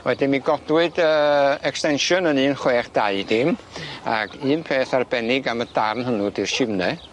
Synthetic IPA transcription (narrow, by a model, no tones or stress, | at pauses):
wɛdɪmiɡɔdwɨdəːɛkstɛnʃʊnənɨːnχweːχd̥aɨd̥ɪma̰ɡɨːnpʰeːθarbɛnɪɡamədarnɦənudirʃɪvnɛ